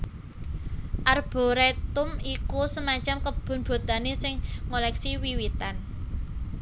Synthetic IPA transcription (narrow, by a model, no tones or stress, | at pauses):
ʔarb̥o̤ɾet̪ʊmikusəmaɲt͡ʃamkəb̥ʊ̤nb̥o̤t̪a̤nesɪŋːolɛksiwiwit̪an